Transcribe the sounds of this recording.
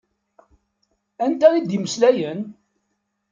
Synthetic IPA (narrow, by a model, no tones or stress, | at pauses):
ænt̪æɾid̪iməslæjən